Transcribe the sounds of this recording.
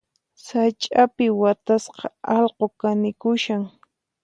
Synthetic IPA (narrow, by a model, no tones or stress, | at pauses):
sat͡ʃʼapɪwat̪asqɑɑlqokanɪkʊʃaŋ